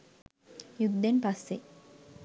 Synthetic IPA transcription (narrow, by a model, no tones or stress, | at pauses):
jud̪ːenpasːe